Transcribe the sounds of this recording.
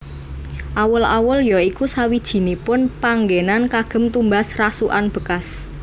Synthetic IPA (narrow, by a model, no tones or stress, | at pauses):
ʔawʊla̰wʊljɔikusawid̥ʒ̥i̤nipʊnpaŋɡenankaɡ̥ə̤mt̪umbasrasuʔanb̥ə̤kas